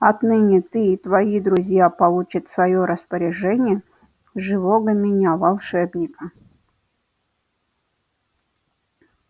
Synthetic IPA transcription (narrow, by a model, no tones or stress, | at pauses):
ɐt̪nɨnʲɪt̪ɨːt̪vɐid̪ɾʊzʲjapɐlˠut͡ɕət̪svɐjoɾʔəspəɾʲɪʐɛnʲɪjə | ʐɨvoɡəmʲɪnʲavɐlˠʂɛbnʲɪkə